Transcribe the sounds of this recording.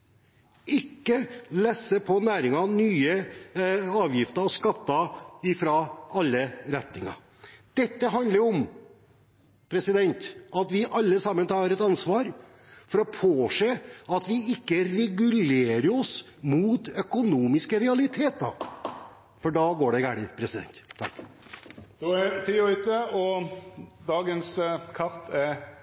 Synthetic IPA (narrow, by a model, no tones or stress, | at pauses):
ɪkːəlɛsːəpʰɔnæːɾɪŋɑnyːə | ɑːʋjɪft̪ɑɔskɑt̪ːɑɪfɾɑʔɑlːəɾɛt̪nɪŋɑ̰ | d̪̥ɛt̪ːəɦɑnd̪əɾɾɔm | pʰɾɛsɪd̪ɛnt̪ɑt̪ʋɪʔɑlːəsɑmːənt̪ʰɑːɾɛt̪ɑnsʋɑːɾ | fɔɾɔpʰoːseːɑt̪ʋɪɪkːəɾɛɡʉleːɾəɾɔs | mut̪œkʊnuːmɪskəɾɛɑlɪt̪ʰeːt̪ɑ̰ɾ | fɔɖɑːɡoːɖɛɡæːɽɪpʰɾɛsɪd̪ɛ̰nt̪ʰːɑ̰kː | d̪̥oɛt̪ʰiːʏt̪əɔ | d̪ɑːɡənskʰɑɾt̪ʰɛɾ